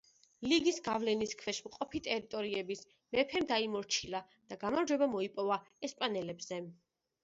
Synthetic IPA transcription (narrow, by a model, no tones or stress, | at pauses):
liɡisɡavlɛniskʰwɛʃmqʼɔpʰit̪ʼɛɾit̪ʼɔɾiɛbis | mɛpʰɛmd̪aimɔɾt͡ʃʰila | d̪̥aɡamaɾd͡ʒwɛbamɔipʼɔva | ɛspʼanɛlɛbz̥ɛ